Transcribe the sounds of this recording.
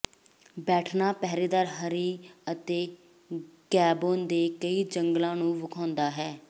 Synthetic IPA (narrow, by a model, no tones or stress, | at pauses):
bɛːʈʰnaːpɛːɾeːd̪aːɾɦəɾiːət̪eː | ɡɛːboːnd̪eːkəiːd͡ʒəŋɡlãːnũːʋʊkʰãːnd̪aːɦɛː